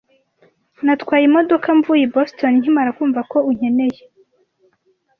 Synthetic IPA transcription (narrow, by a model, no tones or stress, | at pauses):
natkwaːjimo̞do̞kaɱvuːjebosto̞niɲ̥imaɾakuːɱvako̞uɲ̥e̞ne̞je